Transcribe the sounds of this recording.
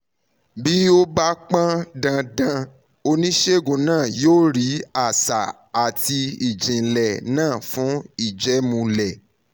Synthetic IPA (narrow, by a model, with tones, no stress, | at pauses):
bi˦o˦ba˦k͡pã˦dã˧dã˧ | o˧nĩ˦ʃe˦˨ɡũ˨˧˨nãː˦˨joː˦˨ɾi˨˦a˦˨sa˨ | a˨ti˧i˨d͡ʒĩ˨lɛ˨nãː˦˨fũ˨˦i˦˨d͡ʒɛ˨˦mũ˧lɛ˨